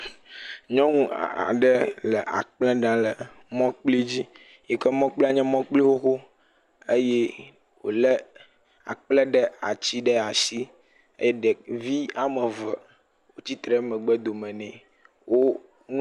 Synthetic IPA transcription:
ɲɔ̃˦ŋũ˦˨a̰˨ɖɛ˦lɛ˨ʔa̰˨k͡plɛ̃˦ɖã˦lə˨ | mɔ̃˦k͡pli˦d͡ʑi˦ | jɛ˨kɛ˦mɔ̃˦k͡pli˦a˨ɲɛ̃˦mɔ̃˦k͡pli˦wo˦xo˦ | ə˦jɛ˦ | wo̰˨lɛ˦ | a̰˨k͡plɛ˦ɖɛ˨a̰˨t͡ɕi˦ɖɛ˦a˨si˦ | ḛ˦jɛ˦ɖɛ˨vi˦a˨mɛ˨və˨ | wo˨t͡ɕi˦t̪ɾɛ˨˦mɛ̃˨ɡ͡bɛ˦d̪o˨mɛ̃˨nɛ̃˨ | wo˦ | ŋũ˦

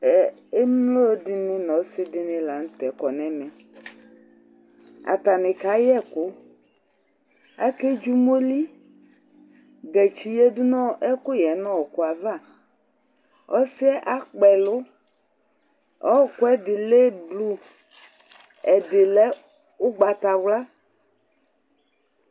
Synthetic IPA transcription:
mlo˦dɪ˨nɪ˦nɔ̃˨˦sɪ˦dɪ˦nɪ̃˦la˨ŋ̩˦t̪ɛ˨˦kɔ˨nɛ˦mɛ̃˨ | a̰˨t̪a˨nɪ˨ka˨˦jɛ˦kʊ˨˦ | a̰˨ke˦d͡ʒu˦mo˦li˦ | ɡɛ˨t͡ʃi˨je˦dʊ˦nɔ̃˦ʔɛ˦kʊ˦jɛ˨˦nɔ̃˦wɔ˨kʊ˦a˨va˦˨ | ɔ˦sɪ˦ɛ˦ʔa˦k͡pɛ˨lʊ˦ | ɔ˦˨kʊ˦ɛ˦dɪ˨le˦blu˦ | ɛ˨dɪ˨lɛ˦ | ʊ˦ɡ͡ba˨t̪a˨wla˦

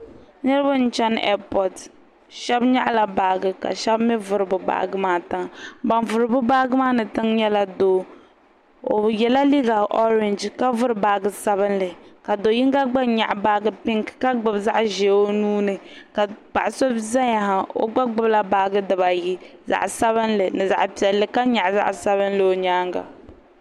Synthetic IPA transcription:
nɨ˦ɾɨ˦ba˦n̩˦t͡ʃɛ˦nɛ̰˦pɔ˨t | ʃɛ˦bɲa̰˦ʔla˨baː˨ɡɨ˨ka̰˨ʃɛ˦bmɪ˦vʊ˦ɾɨ˨bʊ˨ba̰ː˨ɡɨ˦maː˦tɨ˦ŋba˨nvʊ˨ɾɨ˨bʊ˦baː˦ɡɨ˦maː˦nɨ˨tɨ˦ŋɲɛ˦la˦doː˨ | o̰˨jɛ˨la˦li˦ɡa˨ʔɔ˦ɾɪ˨nd͡ʒka˦vʊ˦ɾɨ˨baː˨˦ɡɨ˦sa˦βɨ˦nlɨ˨ka˨do˨˦ji˦ŋ˦ɡa˦ɡ͡ba˦ɲa̰˨ʔbaː˦ɡɨ˦pɪ˦ŋ˨ka˦ɡ͡bɨ˨bza˦ʔʒe˨o˦nuː˦nɨ˨ka˨k͡pa̰˨ʔa˨so˦bza˦ɲa˨ha˨o̰˦ɡ͡ba˦ɡ͡bʊ˦bla˦baː˨˦ɡɨ˦dɨ˨βa˨ji˦za̰˨ʔsa˦βɨ˦nlɨ˨nɨ˨za̰˨ʔpi˨ɛ˨lːɨ˦ka˦ɲa˨ʔza̰˦ʔsa˦βɨ˦nlɨ˨o˨ɲaː˦ŋɡa̰˨

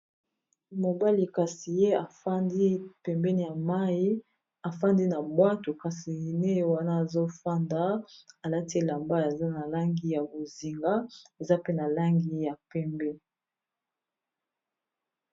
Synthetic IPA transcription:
mo˨ba˦li˨ka˨si˨je˦a˨a˦ndi˦pɛ˨mbɛ˦ni˦˨ja˨ma˦i˦ | a˨fa˦ndi˦na˨bwa˦to˨ka˨si˨ne˦jwa˦na˦a˨zo˦fa˦nda˨˦a˨la˦ti˦˨la˨mba˦a˨za˦na˨la˦ŋɡi˨˦ja˨bo˨zi˨ŋɡa˦e˨za˦pe˦na˨la˦ŋɡi˦ja˨pɛ˦mbɛ˦

